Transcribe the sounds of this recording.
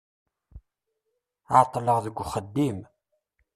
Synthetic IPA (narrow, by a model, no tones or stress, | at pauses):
at̪ˤːləʁðəɡʷːχəd̪ːim